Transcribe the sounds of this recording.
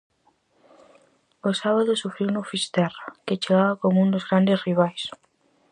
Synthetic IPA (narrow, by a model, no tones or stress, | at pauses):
osaβaðosufɾeunofist̪eraket͡ʃeɣaβakomoũnd̪ozɣɾand̪esriβ̞ajs